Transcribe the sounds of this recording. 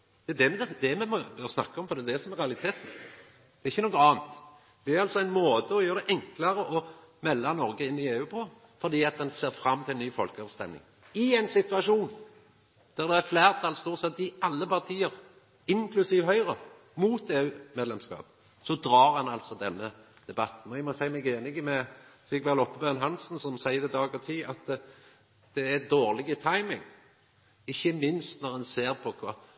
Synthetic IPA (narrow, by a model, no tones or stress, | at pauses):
d̪̥ɛd̪ɛmɛɛd̪ɛmɛmɔbœəsnɑ̰kːəɔmfɔɾd̪ɛd̪ɛsɔmɛɾʁɛɑlɪt̪ʰeːt̪n̩ | d̪ɛɾɪçːənɔɡəɑːnt̪ | d̪̥ɛæɾɑlt̪sɔæɪnmoːd̪əɔjøːɾd̪ɛʔɛŋklɑɾəʔɔmɛlːɑnɔɾɡəɪnːɪeːʉːpʰɔ | fɔʁd̪iːɑt̪̚d̪ɛnseːɾfɾɑmːt̪ʰɪlnyːfɔlkəɑʋst̪ɛ̰mnɪ̰ŋ | ɪæɪnsɪt̪ʉɑʂuːn | d̪̥æʁd̪ɛæfleːʁt̪ʰɑːlst̪uːʁsɛt̪ːɪɑlːəpɑʁt̪ʰiːəɾ | ɪŋkʰlʉsiːʋɦœʏɾə | muːt̪eːʉːmeːd̪lɛmskɑ̰ːp | sɔd̪ɾɑːɾhɑnɑlt̪sɔd̪ɛnːə | d̪̥ɛbɑt̪ːn̩ɔæmɔsæɪmæɪɡeːnɪɡəmɛsɪɡʋɛlɔpːəbøːnɦɑnsn̩sɔmsæɪəd̪ɛd̪ɑːɡɔʁt̪ʰiːɑt̪ | d̪̥ɛæd̪oːʁlɪɡət̪ʰɑɪmɪŋ | ɪçːəmɪnst̪nɔʁdɑnseːʁpʰɔkʰɑː